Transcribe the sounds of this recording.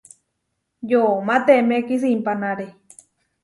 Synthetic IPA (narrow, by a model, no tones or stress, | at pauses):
jomãt̪emekis̬impanaɾe